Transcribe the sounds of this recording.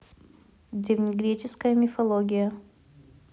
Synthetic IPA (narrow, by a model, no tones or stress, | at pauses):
d̪ʲɾʲɪvʲnʲɪɡɾʲet͡ɕɪskəjəmʲɪfɐlˠoɡʲɪjə